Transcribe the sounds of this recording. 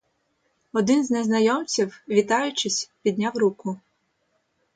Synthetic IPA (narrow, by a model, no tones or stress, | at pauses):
ɔd̪ɪnznɛznɐjɔmt͡sʲiwʋʲit̪ɑjʊt͡ʃɪsʲpʲid̪ʲnʲawɾukʊ